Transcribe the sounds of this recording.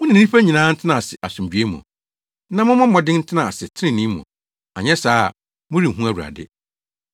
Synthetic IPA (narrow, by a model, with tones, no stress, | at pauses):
ʊ̃˦nã˨ĩ˨˦ĩ˦pæ˦ɲĩ˨nãː˨˦n̩˦tʰɪ˦nã˨sɪ˨ʔa˨sʊ̃˨md͡ʑɥe˦mʊ̰̃˨ | nã˦mʊ̃˦mʊ̃˦mɔ̃˨dɪ̃˦n̩˦tʰɪ˦nã˨a˨sɪ˨tʰɪ˦nɪ̃˦˨nĩ˦mʊ̰̃˨ | a̰˨ɲɛ˦saː˦˨ | mʊ̃˦ɾi˨ɦũ˦æ˦˨wu˨ɾa̰˨dɪ̰˦